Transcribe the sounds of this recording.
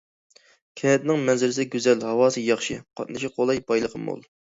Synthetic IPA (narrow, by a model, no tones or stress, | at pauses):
kʲʰɛɦɛt̪̚nɪŋmɛnzɪɾɪs̬ɪɡʲyzɛlhɑwɑːsɨjɑχʃiqʰɑ̰t̪̚nɨʃiqʰolˠɑjbɑjlˠəqʰəmo̰lˠ